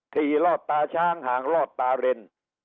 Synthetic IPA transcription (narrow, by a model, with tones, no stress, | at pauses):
t̪ʰiː˧˩lɔː˥˩t̪̚ːaː˧t͡ɕʰaː˦˥˩ŋhaː˩˦ŋlɔː˧˩t̪ːaː˧ɾe˧n